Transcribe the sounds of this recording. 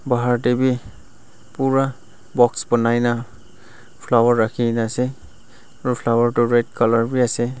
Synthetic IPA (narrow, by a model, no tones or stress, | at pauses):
baɦaɹtebi | puɹa | bɔksbɔnajna | pʰlawaɹːakʰinase | ɹupʰlawaɹtuɹed̚kɔlɔɹbiasɛ